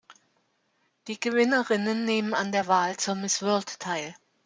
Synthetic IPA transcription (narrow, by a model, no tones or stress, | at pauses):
d̥iːɡəvɪnəʁɪnənːeːmənandeːɐvaːlt͡suːɐmɪsv̥ʏɐlttʰaɪl